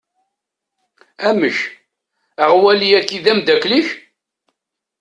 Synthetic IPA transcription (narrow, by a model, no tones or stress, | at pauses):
æməç | əʁwæliækːiðæmd̪ækliç